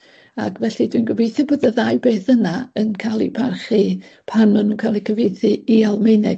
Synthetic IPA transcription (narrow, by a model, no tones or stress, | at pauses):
a̰kvɛɬidwinɡwəvejθjɔboːðəðajbeːθənaənkʰalˠḭpʰarχipʰanmanuːnkʰalˠikʰəvejθɨialˠmejnɛ